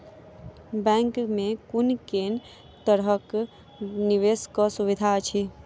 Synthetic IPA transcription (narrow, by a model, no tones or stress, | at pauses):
bɛ̃ːŋkmẽkʊnkeːn | t̪əɾɦək | niʋeːskɔsʊʋɪd̪ʱat͡ʃʰi